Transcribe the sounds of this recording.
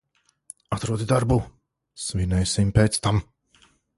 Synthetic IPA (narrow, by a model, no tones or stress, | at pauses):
at̪ɾuɔd̪id̪aɾbu | svinɛjsimpɛːt̪st̪am